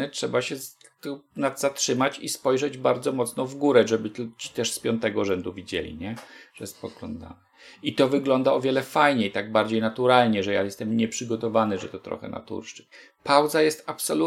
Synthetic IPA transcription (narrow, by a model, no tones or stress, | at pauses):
ɛtʂɛbaɕɛ | t̪ɔnad̪zatʂɘmat͡ɕispɔjʐɛd͡ʑbaɾd̪zɔmɔt̪snɔvɡuɾɛʐɛbɘt͡ɕi̥t̪ɛʂspʲjɔnt̪ɛɡɔʐɛnd̪uvʲid͡ʑɛ̰lʲḭɲɛʐ̥ɛjɛst̪pɔɡlɔ̰nd̪a̰nɛ | it̪ɔvɘɡlɔnd̪aɔvʲjɛlɛfajɲejt̪aɡ̚baɾd͡ʑejnat̪uɾalɲɛʐɛjajɛst̪ɛmɲɛpʂɘɡɔt̪ɔvanɘʐɛt̪ɔt̪ɾɔ̰xɛ̰na̰t̪ṵɾʂt͡ʂɘt͡ɕ | pawd̪zajɛst̪apsɔlu